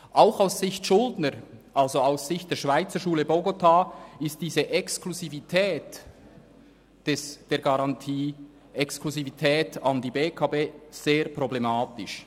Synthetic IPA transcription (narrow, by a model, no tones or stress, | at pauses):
ʔaʊxaʊsːɪçtʃʊldnəɾʔɑlzoaʊsz̥ɪçt̚d̥eːɐʃv̥aɪt͡səɾʃuːləboɡotʰaːɪstd̥iːzəʔɛkskluzivitʰɛːt | d̥ɛsd̥eːɡɑʁɑntʰiː | ɛkskluzivitʰɛːtɑndiːbeːkʰɑbeːz̥eːɾproblɛmaːtɪʃ